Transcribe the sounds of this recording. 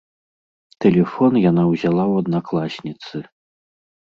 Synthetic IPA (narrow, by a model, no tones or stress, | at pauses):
t̪ɛlʲɛfɔnjanawzʲalˠawɐd̪naklˠasʲnʲit̪sɨ